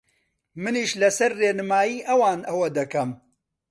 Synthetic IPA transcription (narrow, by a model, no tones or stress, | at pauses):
mɨniːʃlɐsɐɾːeːnɨmaːjiːʔɐwaːnʔɐwɐd̪ɐkɐm